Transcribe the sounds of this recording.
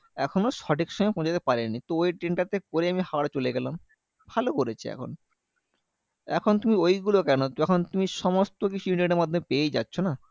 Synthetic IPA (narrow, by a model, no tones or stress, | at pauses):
ɛkʰonoʃɔʈikʃɔmaepɔ̃d͡ʑat̪epaɾenit̪oojʈɾeɳʈat̪ekoɾeamihaɽt͡ɕoleɡɛlam | bʱalokoɾet͡ɕʰeɛ̰kʰo̰n | ɛ̰kʰont̪umiojɡulokɛnot̪ɛkʰont̪umiʃɔmost̪ok̬it͡ɕʰuiɳʈeɖeɾmad̪ʱːomepeed͡ʑa̰tːɕʰona